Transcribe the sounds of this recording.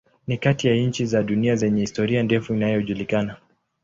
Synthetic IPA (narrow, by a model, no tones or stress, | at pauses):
nikatijaɲ̩t͡ʃizaɗuniazɛɲɛhistɔɾiandɛfuinajɔʄulikana